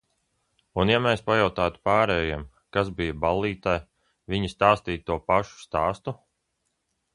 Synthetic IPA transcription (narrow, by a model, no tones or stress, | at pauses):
unjameːspajawt̪aːt̪u̥paːɾɛːjam | kazbijəbalˠːiːt̪aj | viɲist̪aːst̪iːt̪uɔpaʃu̥st̪aːst̪u